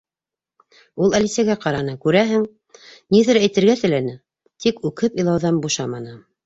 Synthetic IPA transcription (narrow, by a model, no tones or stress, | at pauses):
ulˠælisæɡæqɑɾɑnɤkʉɾæɦɘŋ | niðɘ̆ɾæjt̪ɘ̆ɾɡæt̪ɘ̆lænɘ | t̪ikʉkɘpĭjlˠɑwðɑnbuʃɑmɑnɤ